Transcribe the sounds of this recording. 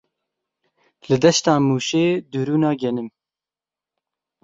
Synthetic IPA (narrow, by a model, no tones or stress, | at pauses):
lɨd̪ɛʃt̪ɑːmuːʃeːd̪uɾuːnɑːɡɛnɨm